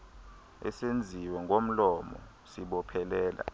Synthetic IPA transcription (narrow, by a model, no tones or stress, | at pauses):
ɛ̰send͡zʱiwɛŋɡʱom̩lɔmɔ̰ | siɓɔpʰɛlɛːla̰